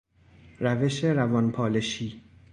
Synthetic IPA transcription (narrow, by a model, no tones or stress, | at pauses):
ræve̞ʃe̞ɾævɒnpʰɒːleʃiː